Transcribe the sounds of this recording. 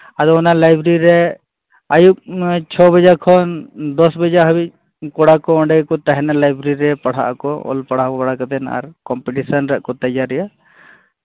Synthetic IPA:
ad̪ɔnalajbɾiɾɛ | ajut͡ʃʰɔbəd͡ʒakʰɔnd̪ɔsbəd͡ʒaɦɐbi | kɔɽakɔɔ̃ɳɖɛkɔt̪ɐɦɛnalajbɾiɾɛpɐɽ̤a̰ʔkɔɔ̰lpɐɽ̤aɔbɐɽakət̪ɛna̰ɾkɔmpeʈisənɾəʔkɔt̪ɐjaɾɛja

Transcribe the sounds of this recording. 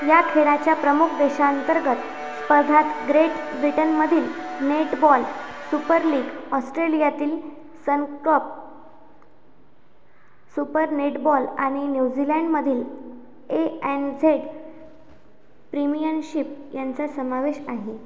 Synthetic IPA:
jakʰeɽat͡ɕjapɾəmuk̚ʰd̪eɕaənt̪əɾɡət̪ | spəɾd̪ʱat̪ɡɾeʈbɾiʈənməd̪ʱiːlneʈbɔlsupəɾliːɡɔsʈɾelijat̪iːl | sənkəp̚ | supəɾneʈbɔlaɽ̃injud͡zilɛɳɖməd̪ʱiːl | eɛnd͡zeɽ | pɾimijənɕip̚jant͡sasəmaʋeɕaɦe

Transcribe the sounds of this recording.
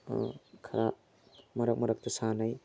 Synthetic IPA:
kʰɐɾa | mɐɾak̚mɐɾak̚tɐsanaj

